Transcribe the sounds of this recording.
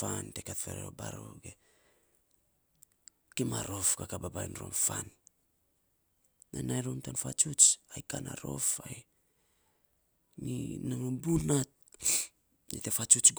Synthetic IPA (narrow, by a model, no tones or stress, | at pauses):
fantekatfeɾḛo̰ba̰ɾoɡe | kimaɾo̞fkakababajnɾo̰mfan | anajɾomtanfat͡ʃut͡ʃajkana̰ɾo̞̰faj | ninaŋobunat̚ | nitefat͡ʃut͡ʃɡ